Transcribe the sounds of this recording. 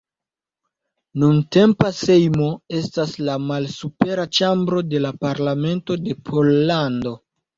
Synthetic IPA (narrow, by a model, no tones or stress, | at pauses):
nunte̞mpase̞jmo̞e̞staslamalsupe̞ɾat͡ʃambɾo̞de̞lapaɾlame̞nto̞de̞pʰo̞lːando̞